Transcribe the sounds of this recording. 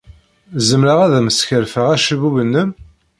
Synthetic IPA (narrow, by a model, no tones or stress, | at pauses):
zəmɾəʁæðæməsçəɾfəʁæʃəvuvənːəm